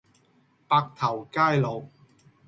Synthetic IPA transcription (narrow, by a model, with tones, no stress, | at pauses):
paː˧k̚t̪ʰɐ˨˩wkaː˥jlo˨˧w